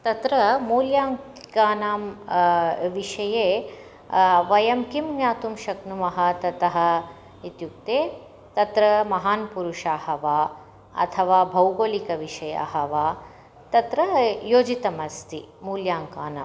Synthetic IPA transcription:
t̪ɐt̪ɾɐmuːljaːŋ | kaːnaːm | ʋiʃɐjeː | ʋɐjɐmkimɲaːt̪umʃɐknumɐɦɐ̆t̪ɐt̪ɐɦɐ̆ | it̪juk̚t̪eː | t̪ɐt̪ɾɐmɐɦaːnpuɾuʂaːhɐʋaː | ɐ̰t̪ʰɐʋaːbʱɐwɡoːlikɐʋiʂɐja̰ːɦɐʋaː | t̪ɐt̪ɾɐjoːd͡ʒit̪ɐmɐst̪ʰimuːljaːŋkaːna̰ːm

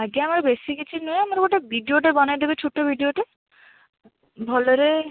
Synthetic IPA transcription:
aɡeamɾebesikit͡ʃʰinojamaɾkoʈebʱiɖijoʈebɔnajd̪ebet͡ʃʰuʈːobʱiɖioʈe | bʱɔloɾe

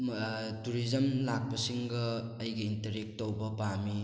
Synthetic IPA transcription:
tuɾizɐmlak̚pɐsiŋɡɐːjɡɐintɐɾek̚towbɐpami

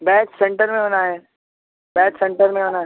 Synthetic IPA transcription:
bɛːt͡ʃsẽɳʈəɾmẽbɐnaɦɛ | bɛːt͡ʃsẽɳʈəɾmẽbɐnaː

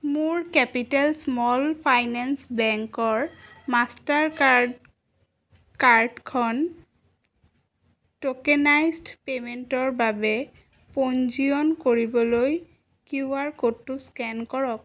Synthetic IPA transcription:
mʊɹkɛpitɛlsmɔlpʰajnɛnsbɛŋkɔɹmastaɹ | kaɹdkʰɔn | tokɛnajzdpementɔɹbabɛ | pond͡ʒiɔnkoɹibɔloj | kuaɹkotːuskɛnkɔɹɔk

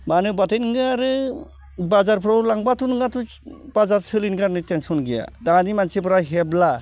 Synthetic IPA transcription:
manɯbatenɡɯaɾɯ | bazaɾpʰɾɔwlaŋbatunŋɡatub̥azaɾsɯlinɡanɯtensɔnɡija̰danimansibɾaɦebla

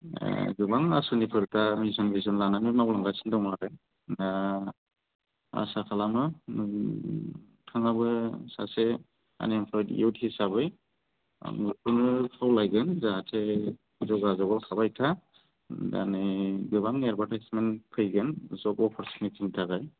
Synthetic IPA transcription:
ɡɯbaŋasɯnipʰɯɾtamizɯnbizɯnlanamimaɡlaŋɡasʰindɔmaɡɯn | na | a̰sakʰalamɯ | tʰaŋabɯsa̰se | a̰nimpʰlɔjdḭuthisabɯj̰ | mɯɾpʰɯnɯpʰawlajɡɯnzaɦatʰe | zɔɡazɔɡɔlkʰabajtʰa | da̰nɯɡɯbaŋeɾbatʰajsmenpʰɯjɡɯnzɔbɔpʰɔɾsnitʰintʰaɡaj

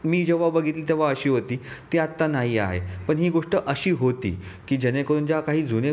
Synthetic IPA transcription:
miːd͡ʑeʋabəɡʱit̪liːt̪eʋaəɕiːɦot̪iːt̪iat̪ːanaɦiːa̰ɦḛpəɳɦiːɡoʂʈəʔəɕiːɦot̪ḭːkiːd͡ʑənekəɾuːnd͡ʑakaɦiːd͡zune

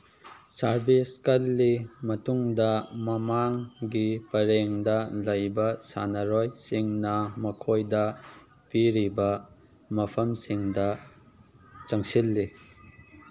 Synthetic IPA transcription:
saɾbiskɐlːimɐtuŋdɐmɐmaŋɡipɐɾeŋdɐlɐjbɐsa̰nɐɾojsiŋnɐmɐkʰojdɐ | piɾibɐ | mɐpʰɐmsiŋdɐ | t͡ʃɐŋsilːi

